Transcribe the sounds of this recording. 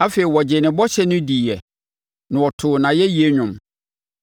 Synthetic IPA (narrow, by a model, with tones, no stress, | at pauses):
a˦fe˨i˨wɔ˨d͡ʑɪ˨nɪ̃˨bɔ˦ɕɛ˦nʊ̃˦diː˨ɛ˨ | nʊ̃˨wɔ˨tʰʊː˨nã˨jɛ˦ji˦e˦ɲᶣʊ̃˨m